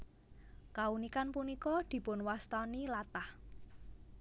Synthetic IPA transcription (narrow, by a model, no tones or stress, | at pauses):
kaunikanpunikɔd̪̥i̤pʊnwast̪ɔnilat̪ah